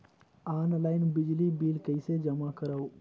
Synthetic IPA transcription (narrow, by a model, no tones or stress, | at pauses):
aːnlaːɪnbɪd͡ʒlibiːlkəɪsed͡ʒəmakəɾaw